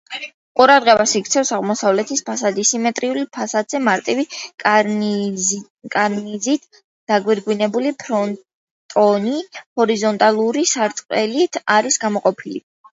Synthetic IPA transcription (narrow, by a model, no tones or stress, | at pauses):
qʼuɾad̪ʁɛbasikɾt̪sʰɛfsaʁmɔsavlɛt̪ʰispʰasad̪isimɛt̪ʼɾiulipʰasad̪z̥ɛmaɾt̪ʼivi | kʼaɾnizit̪ʰ | d̪̥aɡwiɾɡwinɛbulipʰɾɔn | t̪ʼɔnihɔɾizɔnt̪ʼalˠuɾisaɾt̪sʼqʼɛlit̪ʰaɾisɡamɔqʼɔpʰilḭ